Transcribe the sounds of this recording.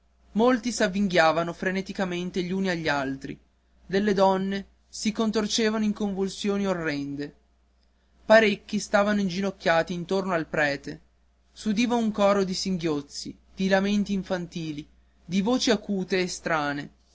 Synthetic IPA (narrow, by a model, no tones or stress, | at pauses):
molt̪isavːiŋɡjaːvanofɾenet̪ikament̪eʎuːniaʎːialt̪ɾḭ | d̪elːed̪ɔnːe | sikont̪ort͡ʃeːvanoiŋkoɱvulsjoːniorːɛnd̪e | paɾekːist̪aːvanoind͡ʒinokʲːaːt̪iːnt̪ornoalpɾɛːt̪e | sud̪iːvauŋkɔːɾod̪isiŋɡjot̪sːḭ | d̪̥ilament̪iːɱfant̪iːli | d̪ivoːt͡ʃiakuːt̪eːst̪ɾaːne